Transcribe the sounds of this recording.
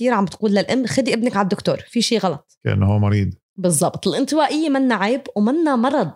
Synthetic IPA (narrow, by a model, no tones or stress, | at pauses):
t̪iːɾʕambɪt̪quːlːalʔɪmːxad̪iʔɪbnɪkʕald̪ːʊkt̪oːɾˤfiʃiːɣɑlɑt̪ˤka̰ʔɪ̰nːɦuːmʊɾiːd̪ | bɨzˤːɑbt̪ˤɪlʔɪnt̪ɪwaːʔɪjːamanːaʕeːbwmanːamɑɾˤɑd̪̚ˤ